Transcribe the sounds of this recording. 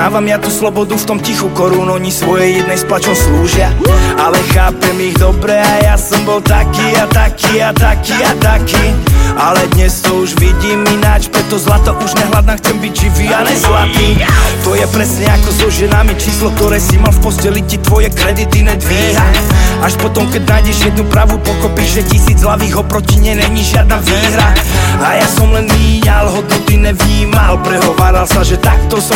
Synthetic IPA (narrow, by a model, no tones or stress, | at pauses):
aːʋamjat̪uslɔbɔd̪uft̪ɔmcixukɔɾunɔɲisʋɔjɛjːɛd̪nɛjsplat͡ʃɔmsluːʒɪaalɛxaːpɛmiɣd̪ɔbɾɛajasɔmbɔlt̪akiːat̪akiːat̪akiːat̪akiːalɛd̪ɲɛst̪ɔuʒʋiɟiːminat͡ʃpɾɛt̪ɔzlat̪ɔʔuʒɲɛɦlad̪naːxt͡sɛmbiɟʒiʋiːalɛzlat̪iːt̪ɔjɛpɾɛsɲɛakɔzɔʒɛnamit͡ʃiːslɔk̚t̪ɔɾɛːsimalfpɔscɛlicit̪ʋɔjɛkɾɛd̪it̪inɛːd̪ʋiːɦaaʃpɔt̪ɔmkɛɟnaːjɟɛʒjɛd̪nupɾaʋupɔkɔpiʒɛcisiːd͡zɦlaʋiːɣɔpɾɔciɲɪɛɲɛɲiʒɪad̪̚naʋiːɦɾaajasɔmlɛnʋiːɲalɦɔd̪nɔt̪iɲɛʋɲiːmalpɾɛɦɔʋaːɾalsaʒɛt̪ak̚t̪ɔsɔ